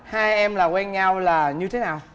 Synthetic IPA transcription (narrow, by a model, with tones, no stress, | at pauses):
haː˧jʔɛ˧mlaː˨˩kwɛ˧nɲa˧wlaː˨˩ɲɨ˧t̪ʰe˨˦naː˨˩w